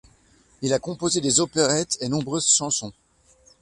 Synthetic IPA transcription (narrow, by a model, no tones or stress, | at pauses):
ilakɔ̃pozed̪ezopeʁɛt̪enɔ̃bʁøzʃɑ̃sɔ̃